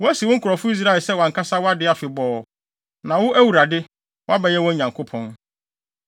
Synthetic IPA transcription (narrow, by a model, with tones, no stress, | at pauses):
wɔ˦æ˦si˨wʊ˦ŋ̩˦kʰʊ˨ɾɔ˨fʊ˦i˦s̬ɾa˦˨lsɛ˦wã˨ŋkʰa˦sa˦wɔ˦a˦dɪ˦a˨fɪ˨bɔː˨ | nã˨wʊ˦ʔæ˦wu˨ɾa˨dɪ˦ | wɔ˦a˦bɛ˨jɛ˦wɔ̃˦ɲã˨ŋkʰo˦pʰɔ̃˦n